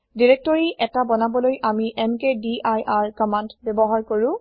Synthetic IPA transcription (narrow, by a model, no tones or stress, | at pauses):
diɹɛk̚tɔɹiʔɛtabɔnabɔlojʔamiʔɛmkediʔajʔaɹkɔmandbɛbɔɦaɹkoɹʊ̃